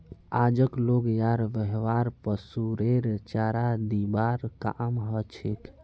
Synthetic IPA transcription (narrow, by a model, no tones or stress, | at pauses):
ad͡ʒəkloɡjaɾʋəɦʋaɾpəsuɾeɾt͡ʃaɾad̪ibaɾkamɦət͡ʃʰek